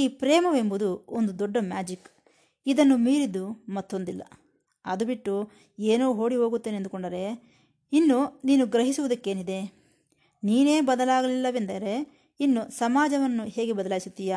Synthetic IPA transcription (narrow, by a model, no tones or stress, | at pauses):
iːpɾɛːmɐʋe̞mbud̪uond̪ud̪ɔɖːɐmjaːd͡ʒikː | id̪ɐnːumiːɾid̪ːumɐt̪ːo̞nd̪ilːɐ̰ | ɐd̪ubiʈːu | eːnoːɦo̞ːɽiɦoːɡut̪ːeːnend̪ukoɳɖɐɾe̞ | inːuniːnuɡɾɐɦisuʋud̪ɐkːe̞ːnid̪e̞ | niːne̞ːbɐd̪ɐlaːɡɐlilːɐʋend̪ɐɾe̞ | inːusɐmaːd͡ʒɐʋɐnːuhe̞ːɡebɐd̪ɐlaːjisut̪ːija